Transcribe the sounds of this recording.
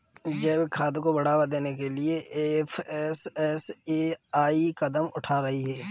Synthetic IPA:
d͡ʒɐːbkʰaːd̪kobɐɽ̤aːwad̪eːnekelieefʰɛsɛseːaːikɐd̪əmʊʈʰaːɾɐɦiɦɛː

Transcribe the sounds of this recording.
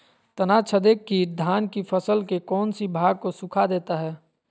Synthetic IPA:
t̪ənat͡ʃʰəd̪ekːid̪ʱaːnkipʰəsəlkekɔːnsibʱaːɡ̚kosukʰad̪eːt̪aɦɛː

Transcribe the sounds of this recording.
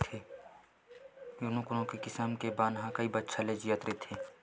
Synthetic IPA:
t̪ʰeː | jʊnũkʊnõkekɪsəmkebaːnɦãkəibətːʃʰaled͡ʒijat̪ɾet̪ʰeː

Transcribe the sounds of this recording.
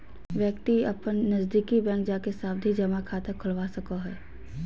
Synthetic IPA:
ʋjəkt̪iɐpənːɐzd̪iːkibɛ̃ːŋkd͡ʒaːkesaːbd̪ʱid͡ʒɐmakʰat̪ekʰʊlʋasɐkoɦɛː

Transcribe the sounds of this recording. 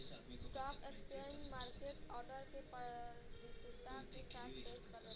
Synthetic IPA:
sʈɔkekst͡ʃend͡ʒmaːɾkeʈɔɾɖəɾkepəʋisud̪ʱakesat̪ʰpeskəɾə

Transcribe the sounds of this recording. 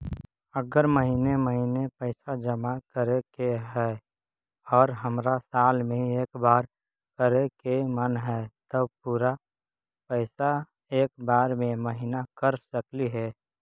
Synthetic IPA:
əɡəɾməɦineməɦinepəɪsad͡ʒəmakəɾekeɦɛː | ɔːɾɦəmɾasaːlmẽɦieːkbaːɾ | kəɾekemənɦɛt̪əpuːɾa | pəɪsa | eːkbaːɾmẽməɦinakəɾsəkliɦɛː

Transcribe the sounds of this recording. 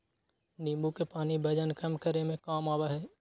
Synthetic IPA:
nĩːmbukepaːnibʱɐd͡ʒənkɐmkəɾemẽkaːmaːbaɦɛː

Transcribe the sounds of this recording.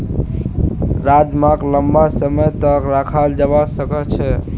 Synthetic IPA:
ɾad͡ʒmakləmbasəməjt̪əkɾakʰald͡ʒəbasəkət͡ʃʰɛ

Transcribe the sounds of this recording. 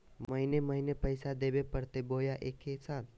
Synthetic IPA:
məɦineməɦinepəjsad̪eːbepəɽt̪eboːjaʔeːkːesaːn

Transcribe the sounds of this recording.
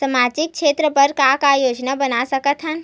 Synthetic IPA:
sɐmaːd͡ʒɪk̚kʃeːt̪ɾəpɐɾkakajoːd͡ʒnabɐnasɐkət̪ɦə̃n

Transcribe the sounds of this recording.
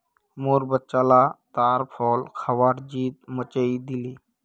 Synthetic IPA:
moːɾbətːt͡ʃalat̪aːɾpʰɔːlkʰəʋaːʈd͡ʒiːt̪̚mət͡ʃəid̪iliː

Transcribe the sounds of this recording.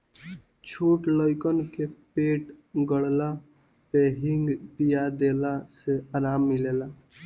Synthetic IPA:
t͡ʃʰoːʈləjkənkepeːʈɡəɽla | peɦiŋɡpijad̪elaseaːɾaːmːileːla

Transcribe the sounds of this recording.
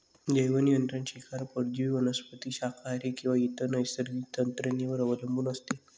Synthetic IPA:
d͡ʑəjʋənijənt̪ɾanɕikʰaɾpəɾd͡ʑiʋiʋənəspət̪iːɕakʰaɾikĩw̃ʋait̪ənəjsəɾɡiːt̪ənt̪ɾəneʋəɾəʋələmbuːnəst̪e

